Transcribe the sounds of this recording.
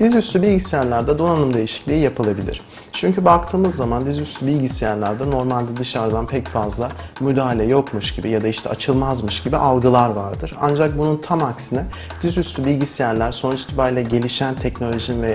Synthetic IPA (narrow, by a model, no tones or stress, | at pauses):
d̪̥izjyst̪ʰybilʲɟisijæɾlʲæɾd̪ɛd̪o̞nanɯmd̪e̞jiʃi̥clʲiːijapɯlˠabilʲḭɾ̝̥ | t͡ʃʰyɲcʰybak̚t̪ʰɯːmɯzːamand̪izjyst̪ʰybilʲɟisijæɾlʲæɾd̪ɛno̞ɾmalʲd̪ɛd̪ɯʃaɾd̪anpʰɛcfazlˠa | myd̪aːɦalʲɛjo̞kmuʃɟibijad̪aiʃt̪ʰɛ̰at͡ʃʰɯlˠmazmɯʃɟ̥ibiʔalˠɡɯlˠaɾvaɾd̪ɯɾa̰nd͡ʒak̚bununt̪ʰamaksinɛ | d̪̥izjyst̪ybilʲɟisijæɾlʲæɾso̞nut͡ʃi̥t̪ʰibajlʲɛɟe̞lʲiʃænt̪ʰɛcno̞lʲo̞ʒinvɛ